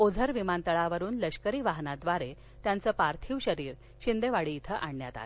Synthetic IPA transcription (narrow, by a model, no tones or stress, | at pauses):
od͡zʱəɾʋimant̪əɭaʋəɾuːnləɕkəɾiːʋaɦnad̪ʋaɾe | t̪jant͡səːpaɾt̪ʰiːʋɕəɾiːɾ | ɕind̪eʋaɽiːt̪ʰəʔaɳːja̰t̪a̰t